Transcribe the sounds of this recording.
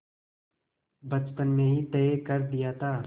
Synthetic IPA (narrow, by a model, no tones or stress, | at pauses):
bɐt͡ʃpənmẽɦit̪ɛːekɐɾd̪ijaːt̪ʰaː